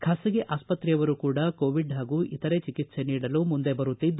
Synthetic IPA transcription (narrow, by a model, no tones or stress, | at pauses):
kʰaːsɐɡeʔaːspɐt̪ɾijɐʋɐɾukuːɽɐkoːʋiɖɦaːɡuʔit̪ɐɾe̞t͡ʃikit̪se̞niːɽɐlumund̪ebɐɾut̪ːid̪ːu